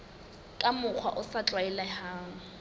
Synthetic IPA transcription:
kʼamʊk͡xʰwaʔʊsat͡ɬʼwaɛlahaːŋ̩

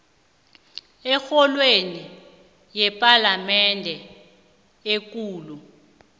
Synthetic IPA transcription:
ɛxɔlweni | jɛpʼalamɛndʱɛ | ek̬ʼuːlu

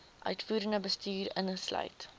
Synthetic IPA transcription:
ʔœɥtfuːɾəndəbəstyːɾə̰nχəslœ̰ɥt

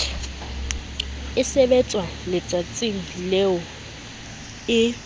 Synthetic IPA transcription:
ɪsɛbɛt͡sʼwalɪt͡sʼat͡sʼiŋ̩leʊ | ɪ

